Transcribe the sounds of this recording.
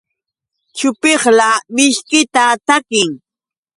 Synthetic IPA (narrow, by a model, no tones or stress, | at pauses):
t͡ʃʊpeχlamɪʃkɪt̪at̪akɪŋ